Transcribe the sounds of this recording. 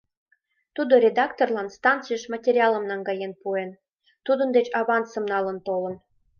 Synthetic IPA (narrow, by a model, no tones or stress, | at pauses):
t̪ud̪oɾʲed̪ɑkt̪orlɑnst̪ɑnt̪t͡sɨjəʃmɑtʲerʲɑlə̆mnɑŋɡɑjenpuen | t̪ud̪ənd̪et͡ɕɑβɑnt͡sə̆mnɑlə̆nt̪olə̆n